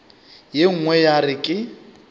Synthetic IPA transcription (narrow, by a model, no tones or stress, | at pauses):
jeŋ̩ŋwɛjarɪkʼɪ